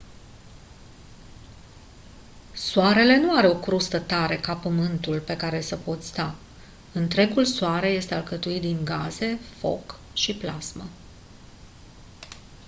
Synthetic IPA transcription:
soaɾe̞le̞nuaɾeo̞kɾust̪ət̪aɾe̞kapəmɨnt̪ulpe̞kaɾe̞səpo̞t̪sʲst̪a | ɨnt̪ɾe̞ɡulsoaɾe̞je̞st̪ealkət̪uit̪̚d̪inɡaze̞fo̞̰k | ʃiplazmə

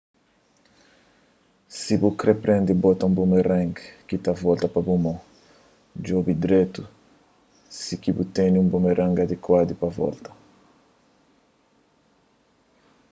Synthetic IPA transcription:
sibukɾepɾɛ̃nd̪ibɔt̪ɐũmbumerɛ̃ŋɡkit̪avɔlt̪ɐpɐbumõ | d͡ʒɔbid̪ɾet̪u | sikibut̪eniũmbumeɾʔãŋɡad̪ekwad̪ipɐvɔ̰lt̪ɐ

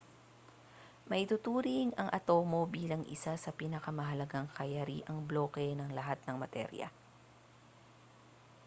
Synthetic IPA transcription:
mɐʔɪt̪ʊt̪uːɾɪŋɐŋʔɐt̪o̞ːmo̞biːlɐŋʔɪ̰sasɐpiːnɐkɐmɐɦɐlɐɡaŋkɐjɐɾḭʔɐŋblo̞ːkɛnɐŋlɐɦat̪̚nɐŋmɐt̪ɛ̰ɾjɐ̰

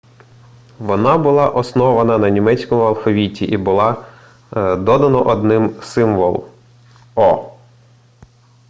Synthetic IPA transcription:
ʋɔnɑbʊlˠɑʔɔsnɔʋɐnɐnɐnʲimɛt͡sʲkɔmʊɐlˠfɔʋʲitʲiʔibʊlˠɑ | d̪ɔd̪ɐnɔʔɔd̪nɪmsɪmʋɔ̰lˠ | ɔ

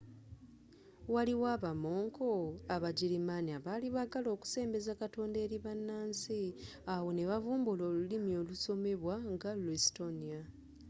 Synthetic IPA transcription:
waliwaβamo̞ːŋkʰo̞aβaɟiɾimaniaβaːliβaɡalo̞ːku̥se̞ːmbe̞zakato̞ːnde̞ːɾiβanːaːnsi | awo̞ne̞βavuːmbulo̞ːlulimio̞ːluso̞me̞βwaŋɡalwesto̞nia

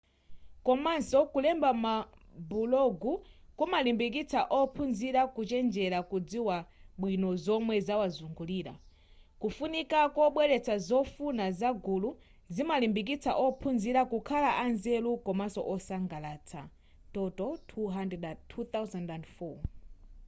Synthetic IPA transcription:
kɔmansɔkulɛmbama | bulɔɡukumalimbik̬it͡sʰaʔɔpʰunziɾakut͡ʃɛnd͡ʒɛɾakud͡ziwaɓwinɔzɔmwɛzawazuŋɡuliːɾa̰ | kufunikakɔɓwɛɾɛt͡sʰazɔfunazaɡulu | zimalimbik̬it͡sʰa̰ʔɔpʰunziɾakukʰalaʔanzɛlukɔmasɔ̰ʔɔsaŋɡalaːt͡sʰa̰ | tɔtɔtʰuɦandɛdatʰut̪awzandandfɔ

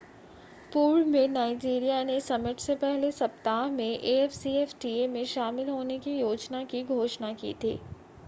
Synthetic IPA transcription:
puːlmẽnaːɪd͡ʒiːɾijanesɐmɪʈʰsepɛɦlesɐpt̪aːmẽʔeːɛfsiɛːfʈiːemẽʃaːmɪlɦoːnekijoːd͡ʒnakiɡʱoːʃnakḭːt̪ʰḭː

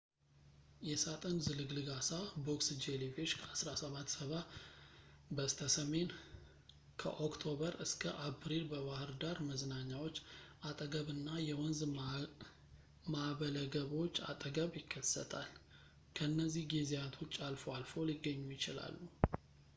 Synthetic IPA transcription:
jɛsat̪ʼənzɨlɨɡlɨɡasaboksd͡ʒeliveʃkʰəasɾasəβat̪ːsəβa | bəst̪ʰəsəme̞n | kʰə̰ʔokt̪ʰo̞βəɾɨskʰəʔapʰɾilbəβahɨɾd̪aɾməznaɲːawo̞t͡ʃːʔat̪ʼəɡəβɨnːajɛwɔnz | maβələɡəβo̞t͡ʃːa̰t̪ʼəɡəβjɪkʰːəsːə̰t̪ʰal | kʰəɨnːəzːihɡezijat̪ʰo̞t͡ʃːalfoalfo̞liɡːəɲːujɪt͡ʃɪla̰lːu

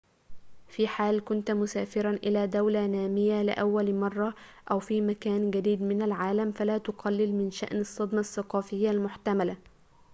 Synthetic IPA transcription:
fiːħaːlkʊnt̪mʊsaːfɪɾɑnʔɪlaːd̪awlanaːmɪjalɪ̰ʔawːalmɑrˤːɑ | ʔawfiːmakaːnɡad̪iːd̪mɪnalʕaːlamfalaːt̪ʊqʰɑlːɪlmɪnʃa̰ʔnɑsˤːɑd̪mɑsːɑqɑːfɪjːalmʊħt̪amala

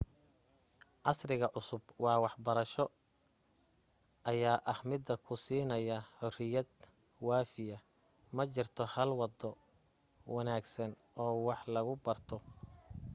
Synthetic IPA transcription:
ʕɑsrɪɣɐʕʊsʊbwɑːwɑħbɐɾɐʃɔ | ʔɐjaːʔɐhmɪd̪ːɐkʰʊsiːnɐjɐħʊrɪjɐd̪ | wɑːfɪjɐ | mɐt͡ʃɪrt̪ʰɔhɐlwɑd̪ɔ | wɑnaːɡsɐn | ʔɔːwɑħlɐɣʊbɐrt̪ʰɔ

